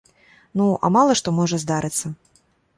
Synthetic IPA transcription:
nuʔɐ̰malˠɐʂt̪ɔmɔʐɐzd̪aɾɨt̪sːɐ

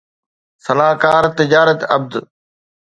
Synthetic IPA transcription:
sɐlaːkaːɾt̪ɪd͡ʑaːɾət̪ɐb̚d̪

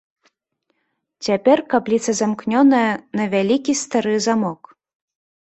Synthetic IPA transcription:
t͡sʲapʲɛrkaplʲit̪sɐzamknʲɔnɐjɐnɐvʲalʲikʲist̪aɾɨzamɔk

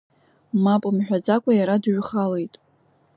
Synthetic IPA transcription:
mapʼmħᶣad͡zakʷʼajaɾadɥχale̞jtʼ

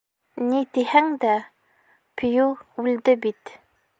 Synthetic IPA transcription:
nit̪ihæŋd̪æ | p̆ʰjuʉld̪ɘbit̪

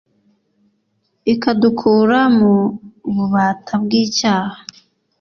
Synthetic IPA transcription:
ikadukʰuːɾamuβuβaːtʰabɡiːcaːhḁ

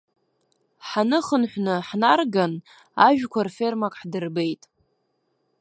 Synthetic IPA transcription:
ħanɨχənħʷnɨħnarɡan | aʒᶣkʷʰarfe̞rmakʼħdɨrbe̞jtʼ

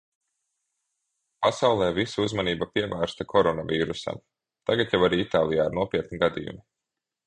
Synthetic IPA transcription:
pasawlˠɛːvisauzmaniːbapiɛvæːɾst̪akʰɔɾɔnaviːɾusa̰m | t̪aɡat̪jawaɾiːit̪aːlˠijaːɾnuɔpʲiɛt̪niɡad̪ḭjṵmi

